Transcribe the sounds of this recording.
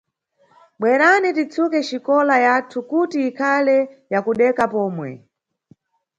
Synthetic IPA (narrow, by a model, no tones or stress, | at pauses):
ɓwɛɾanitit͡sʰukɛt͡ʃikɔlajatʰukutiːkʰalɛjakuɗɛkapɔːmwɛ̰